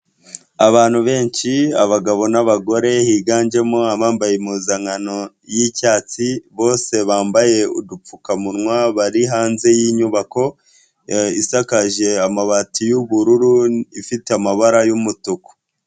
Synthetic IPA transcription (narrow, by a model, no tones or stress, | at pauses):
aβaːn̥huβe̞ːɲʃiaβaɡaβo̞naβaɡo̞ɾe̞hiːɡaːnd͡ʒe̞moaβaːmbajemuːzaŋano̞ | jicaːt͡siβo̞ːse̞βaːmbaje̞ṵdup͡fukamuɾŋwaβaɾiɦaːnze̞jiɲuβako̞ | isakaʒe̞amaβatijuβuɾuɾuifiteamaβaɾajumutuko̥